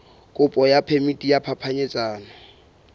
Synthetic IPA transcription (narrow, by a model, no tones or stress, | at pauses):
kʼʊpʼɔjapʰemitʼijapʰapʰaɲet͡sʼaːnɔ